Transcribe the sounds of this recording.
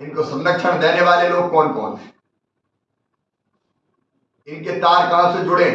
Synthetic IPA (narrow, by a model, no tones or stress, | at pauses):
ɪ̃nkosɐ̃nɾəkʃəɽ̃d̪eːneʋaːleloːɡ̚kɔːnkɔ̰ːnɦɛ | ɪnket̪aːɾkaːsed͡ʒʊɽẽː